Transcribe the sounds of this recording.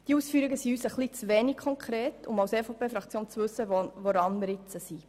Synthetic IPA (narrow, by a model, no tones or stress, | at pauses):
d̪̥iuːsfyːɾiɡəsiyːsəχlit͡sʋɛnikkʰɔŋkʰɾeːtʰʊmɑʊsefopʰeːfɾɑkʰt͡sjoːnt͡sʋɵsːəvoɾɑnmɪɾɪt͡səsi